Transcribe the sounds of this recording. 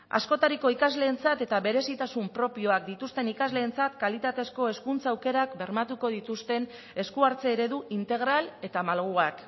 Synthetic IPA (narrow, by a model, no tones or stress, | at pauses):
a̰sko̞t̪aɾiko̞ikazle̞ːnt͡sat̪e̞t̪aβe̞ɾe̞sit̪asumpɾo̞pio̞ak̚d̪it̪ust̪e̞nikazle̞ːnt͡sat̪kalit̪at̪e̞sko̞e̞skunt͡saːwke̞ɾakbe̞ɾmat̪uko̞ðit̪ust̪e̞n | e̞skuaɾt͡se̞ːɾe̞ðuʔint̪e̞ɣ̞ɾale̞t̪amalɣ̞uak